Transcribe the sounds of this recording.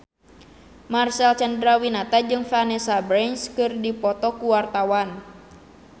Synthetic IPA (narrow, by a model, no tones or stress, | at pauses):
marsalt͡ʃandɾawinat̪ad͡ʒɨŋfanɛsabɾɛɲskɨrdipɔt̪ɔkuwart̪awan